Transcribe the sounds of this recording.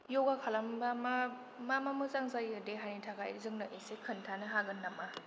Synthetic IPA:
jɔɡakʰalambama | mamamɯzaŋzajɯdeɦanitʰakʰajzɯŋnɯʔesekʰɯntʰanɯɦaɡɯnːama

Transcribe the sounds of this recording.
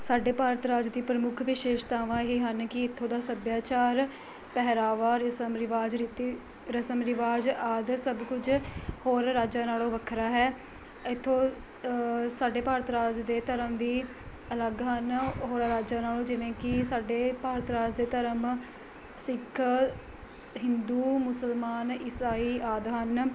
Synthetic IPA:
saːɖeːpaːɾt̪ɾaːd͡ʒd̪iːpɾəmʊkʰʋɪʃeːʃt̪aːʋãːɦiːɦənkɪɪt̪ʰːõːd̪aːsəd̪jaːt͡ʃaːɾ | pɛɦɾaːʋaːɾəsəmɾɪʋaːd͡ʒɾit̪i | ɾəsəmɾɪʋaːd͡ʒaːd̪səbkʊd͡ʒhoːɾɾaːd͡ʒãːnaːlõːʋəkʰɾaːɦɛː | ɪt̪ʰːoː | saːɖeːpaːɾət̪ɾaːd͡ʒd̪eːt̪əɾəmʋiː | ələɡɦənɦoːɾɾaːd͡ʒãːnaːlõːd͡ʒɪʋẽːkɪsaːɖeːpaːɾət̪ɾaːd͡ʒd̪eːt̪əɾəm | sɪkʰ | ɦɪnd̪uːmʊsəlmaːnɪsaːiːʔaːd̪ɦən

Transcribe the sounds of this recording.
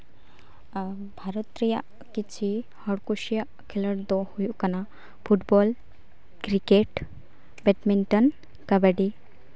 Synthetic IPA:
bʱaɾɔt̪ɾijaʔ | kit͡ʃʰi | həɽkuʃija | kʰiləɽd̪ohujukɐna | pʰuʈbɔːl | kɾikeʈ | bɛʈminʈən | kɐbəɖi

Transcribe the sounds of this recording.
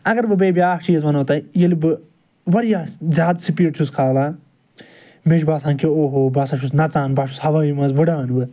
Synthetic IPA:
ɐɡɐɾbɨbeːbʲjaːkt͡ʃiːzʋɐnoːt̪ajɐlibɨ | ʋɐɾijaːzʲjaːd̪sipeːʈt͡ʃʰuskʰaːlaː | meʃbaːsãːnkeoːɦoːbɐːsɐʃʰusnɐt͡sãːnbaʃʰushɐʋɐimɐzʋɐɖaːnbɨ

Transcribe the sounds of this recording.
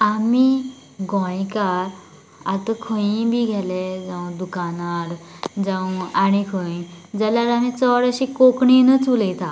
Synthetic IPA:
ami | ɡʱɔ̃jkaɾ | a̰t̪əkʰə̃ibiːɡʱɛled͡zə̃w̃d̪ukanaɾd͡zə̃wañikʰəĩd͡zəljaɾamit͡sɔɽəɕikokɳinət͡sulet̪a

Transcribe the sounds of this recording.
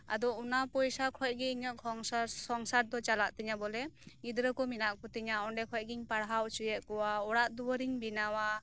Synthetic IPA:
a̰dɔunapɔjsakʰɔj̚ɡiŋakʰɔŋssɔŋsaɾ̚dɔt͡ʃalaʔtiŋabɔleɡidɾəkɔminaʔ̚kɔtiŋaɔndekʰɔj̚ɡiŋpaɾɦawt͡ʃujet̚kɔwaɔɾaʔ̚duwɔɾiŋbinawa

